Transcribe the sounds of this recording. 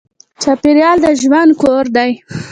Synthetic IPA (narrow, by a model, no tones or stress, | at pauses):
t͡ʃɑpeɾjɑld̪əʒwand̪̚koɾd̪aj